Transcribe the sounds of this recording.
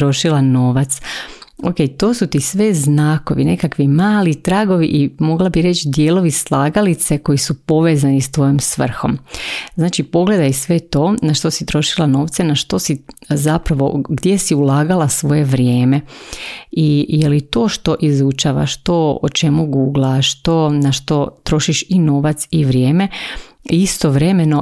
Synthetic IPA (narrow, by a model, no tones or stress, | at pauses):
ɾo̞ʃilˠano̞ːʋat̪soke̞ːjt̪o̞ːsut̪isʋe̞znaːko̞ʋine̞kakʋimaːlit̪ɾaːɡo̞ʋḭʔimo̞ɡlˠabiɾe̞t͡ʃd̪jeːlˠo̞ʋislˠaːɡalit̪se̞ko̞jisupo̞ʋe̞ːzanist̪ʋo̞jomsʋr̩xo̞̰mznaːt͡ʃipo̞ɡle̞d̪ajsʋe̞t̪o̞ːnaʃt̪o̞sit̪ɾo̞ʃilˠano̞ːʋt̪senaʃt̪o̞sizapɾaʋo̞ɡd̪je̞siulˠaːɡalasʋo̞je̞ʋɾje̞ːme̞ | ijelit̪o̞ːʃt̪o̞ʔizut͡ʃaːʋa̰ʃt̪o̞ot͡ʃe̞muɡuːɡlˠaʃt̪o̞naʃt̪o̞t̪ɾo̞ʃiʃino̞ːʋat̪siʋɾje̞ːme̞ | ist̪o̞ʋɾe̞me̞no̞